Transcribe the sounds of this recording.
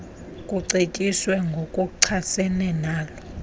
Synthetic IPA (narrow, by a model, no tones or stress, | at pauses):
kʼuǀetʼiswɛŋɡʱokʼuǀʰasɛnɛnaːlɔ